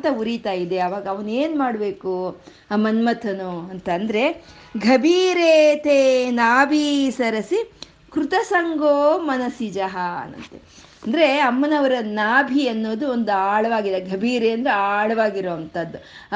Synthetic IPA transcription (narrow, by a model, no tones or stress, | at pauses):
t̪ɐuɾit̪aːjid̪eɐʋaːɡɐːʋɐneːnmaːɽbe̞ːku | aːmɐnmɐt̪ʰɐnuɐnt̪ɐːnd̪ɐɾe̞ | ɡʱɐbʱiːɾet̪enaːbʱisɐɾɐsi | kɾut̪ɐsɐŋɡoːmɐnɐsid͡ʒɐɦɐɐ̰nːɐ̰nt̪e | ɐnd̪ɐɾe̞ɐmːɐnɐʋɐɾɐnaːbʱiɐnːo̞ːd̪uond̪uaːɭɐʋaːɡid̪ɐɡʱɐbʱiːɾejɐnd̪ɾeaːɭɐʋaːɡiɾoːɐnt̪ɐd̪ːu